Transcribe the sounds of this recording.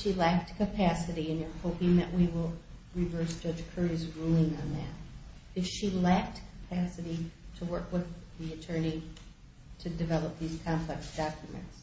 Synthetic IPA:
ʃilæk̚t̚kʰɨpʰæsɨɾiɨ̃njə˞hoʊpĩŋðɨ̰ʔwiwɪlˠɹɨvɜ˞sd̥ʒ̥ʌ̥d͡ʒ̥kʰɜ˞izɹulˠɪ̃ŋə̃nðæ̰t̚ɨfʃilæk̚t̚kʰə̥pʰæsɨɾiɾəwɜ˞kwɪðiɨtʰɜ̃˞ni | ɾɨdɨvɛlˠəp̚ðiz̥kʰɑ̃mpʰl̥ɛksd̥ɑkjɨmɨ̰̃nts

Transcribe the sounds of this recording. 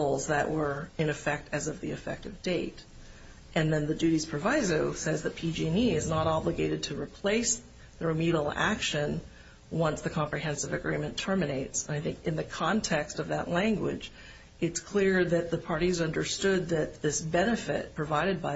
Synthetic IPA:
l̩ˠzðɨʔwə˞ɨ̃ñɨfɛk̚tʰɨzʌvðiɨfɛ̰k̚tʌvdeɪɾ | ʔɨ̃nðɨ̃nðɨdʉɾiz̥pʰɹ̥ɨvaɪzoʊsɛzðɨt̚pʰid͡ʒĩniɨznəɾɑblɨɡeɪɾɨd̚tʰɨɹipʰl̥eɪs | ðəɹɨmiɾl̩ˠæ̰kʃɨ̃n | wʌ̃nsðɨkʰɑ̃mpɹiɦɛ̃nsɨvɨɡɹĩmɨ̃ntʰɜ˞mɨneɪtsə̃naɪθɪ̃ŋkɨ̃nðɨkʰɑ̃ntʰɛkstʌvðɨ̰ʔˡlæ̃ŋɡwɪ̰d͡ʒ | ɨtskʰl̥ɪɹðɨt̪̚ðɨpʰɑɹɾizʌ̃ndə˞stʊd̪̚ðɨt̪̚ðɪsbɛnɨfɪ̰t̚pʰɹ̥ɨvaɪɾɨd̚baɪ

